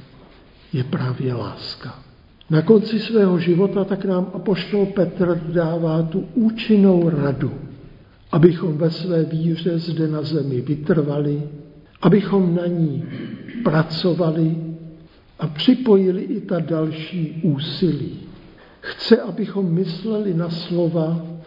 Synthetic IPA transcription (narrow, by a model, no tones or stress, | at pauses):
jɛpɾavjɛla̰ːska | nako̞nt͡sɪsvɛːɦo̞ʒɪvo̞t̪at̪aknaːmʔapo̞ʃt̪o̞lpɛt̪r̩daːvaːt̪uʔuːt͡ʃɪno̞wɾadu | ʔabɪxo̞mvɛsvɛːviːr̝ɛzdɛnazɛmɪvɪt̪r̩valɪʔabɪxo̞mnaɲiːpɾat͡so̞valɪ | ʔapr̥ɪpo̞jɪlɪʔɪt̪adalʃiːʔuːsɪliː | xt͡sɛʔabɪxo̞mːɪslɛlɪnaslo̞va